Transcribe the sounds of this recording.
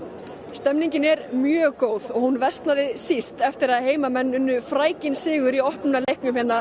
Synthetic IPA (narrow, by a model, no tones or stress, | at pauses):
st̪ɛmniɲcɪnɛɾmjœːkoːwðɔɣhunvɛ̥st̪naðɪsist̪ɛft̪ɪɾaðheːjmamɛnːʏnːʏfɾaːjcɪnsɪːɣʏɾiɔhpnʏnalejhknʏmhɛnːa